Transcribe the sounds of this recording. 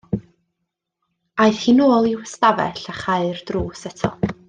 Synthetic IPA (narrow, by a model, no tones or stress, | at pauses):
aɨθhiːnoːlˠiwɛstavɛ̰ɬaχaɨrd̥ruːsɛtʰɔ̰